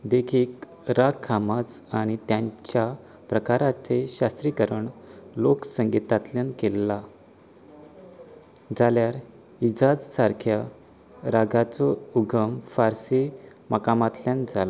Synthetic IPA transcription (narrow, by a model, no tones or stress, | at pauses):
d̪ekʰiːk | ɾakʰːamat͡saɽ̃it̪jãɲt͡ɕja | pɾəkaɾat͡seɕast̪ɾikəɾəɳloksəŋɡit̪at̪ljankelːa | d͡zaljaɾ | id͡zad͡zsaɾkʰja | ɾaɡat͡sɔuɡʱəmfaɾsi | məkamat̪ljand͡zʱala